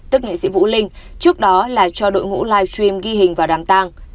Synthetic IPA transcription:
t̪ɨ˦˥k̚ŋḭ˧˨sḭ˧˥vṵ˧˥lï˧ŋ̟t͡ɕɨ˦˥ək̚ɗɔ˨˦laː˨˩t͡ɕɔ˧ɗo̰˧˨jŋṵ˧˥laː˧jwt͡ɕwi˧mɣi˧ɦï˨˩ŋ̟vaː˨˩ɗaː˨˩mt̪aː˧ŋ

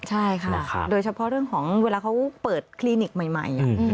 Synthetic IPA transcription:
t͡ɕʰa˥˩jjkʰa˥˩˧doː˧jt͡ɕʰa˧pʰɔ˧˦˥ɾɯ˥˩əŋkʰɔː˩˦ŋweː˧laː˧kʰa˦˥wpɤː˨˩t̪̚kʰliː˧ni˨˩k̚ma˨˩jma̰˨˩j

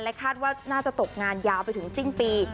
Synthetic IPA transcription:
lɛ˦˥kʰaː˥˩t̪̚waː˥˩naː˥˩t͡ɕa˨˩t̪o˨˩k̚ŋaː˧njaː˦˧wpa˧jt̪ʰɯ˩˦ŋsi˥˩npiː˧

